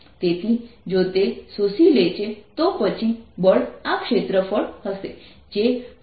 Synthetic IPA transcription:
t̪et̪ʰid͡ʒot̪esusilet͡ʃʰet̪opət͡ʃʰibəɭakʃet̪ɾəfəɭɦəse | d͡ʒe

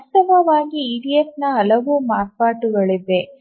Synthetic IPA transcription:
tɐbʱɐʋaːɡiiːɾijesnɐɐlɐʋuːmaːppaːʈuɡɐɭid̪e

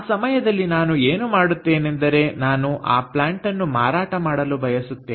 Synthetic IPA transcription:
sɐmɐjɐd̪ɐlːinaːnueːnumaːɽut̪ːe̞ːnend̪ɐɾe̞naːnuʔa̰ːplaːɳʈɐnːuma̰ːɾaːʈɐmaːɽɐlubʱɐjɐsut̪ːeː

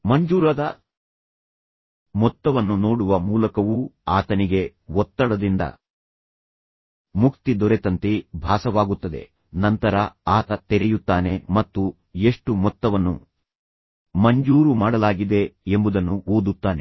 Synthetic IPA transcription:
mɐɲd͡ʒuːɾɐd̪ɐ | mɔt̪ːɐʋɐnːunoːɽuʋɐmuːlɐkɐʋuaːt̪ɐniɡe̞ɔt̪ːɐɽɐd̪ind̪ɐ̰ | mukt̪id̪ɔɾet̪ɐnt̪ibʱaːsɐʋaːɡut̪ːɐd̪e̞̰ | nɐnt̪ɐɾɐaːt̪ɐt̪eɾɛjut̪ːaːne̞mɐt̪ːu | eʂʈumɔt̪ːɐʋɐnːṵ | mɐɲd͡ʒuːɾumaːɽɐlaːɡid̪e̞embud̪ɐnːuoːd̪ut̪ːaːne̞

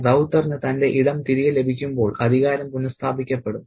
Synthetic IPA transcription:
dɐwt̪ːɐrnɨt̪ɐnde̞ʔiɽɐmt̪iɾiɣɐle̞bʱikʲːumbo̞ːɭɐd̪ʱiɣaːɾɐmpunːɐst̪ʰaːbʱikʲːɐpːe̞ɽum

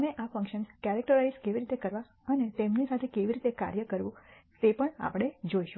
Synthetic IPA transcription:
meʔafə̃ŋkʃənskɛɾɛk̚ʈəɾaizkeʋiɾit̪ekəɾʋa | ənet̪emnisat̪ʰekeʋiɾit̪eka̰ɾjəkəɾʋũt̪epəɳa̰pɽ̃ed͡ʒoiʃu

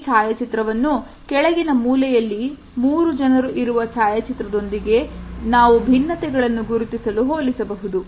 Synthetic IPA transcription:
saːjɐt͡ʃit̪ɾɐʋɐnːu | kɛɭɛɡinɐmuːlɛjɐlːi | muːɾud͡ʒɐnɐɾuʔiɾuʋɐsaːjɐt͡ʃit̪ɾɐd̪o̞nd̪iɡe̞naːʋubʱinːɐt̪ɛɡɐɭɐnːuɡuɾut̪isɐluɦoːlisɐbɐɦud̪u

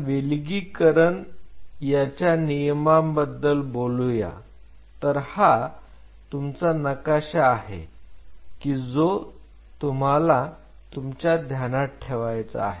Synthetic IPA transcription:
ʋelɡiːkəɾəɳjat͡ɕjanijəmambəd̪ːəlboluja̰ | t̪əɾha | t̪umt͡sanəkaɕaːɦḛ | kiːd͡zo | t̪um̤ala | t̪umt͡ɕjad̪ʱjanaʈʰeʋajt͡sa̰aɦe

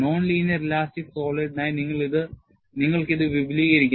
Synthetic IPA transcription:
no̞ːnliːnɐrlaːstikso̞ːleɖnaːjiniŋːɐɭiðɨ | niŋːɐɭkiðɨʋibliːɣɐɾikʲː

